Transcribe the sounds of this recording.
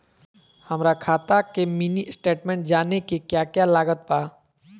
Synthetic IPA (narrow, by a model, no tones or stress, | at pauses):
hɐmɾakʰaːt̪akeminisʈeːʈmẽːɳʈ̚d͡ʒaːnekekjaːkjalaːɡət̪̚paː